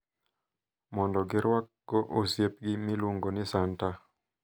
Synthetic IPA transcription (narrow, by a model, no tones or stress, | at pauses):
mɔndɔɡɪɾwak̚ɡɔʔosjep̚ɡɪmiluŋɡonɪsanta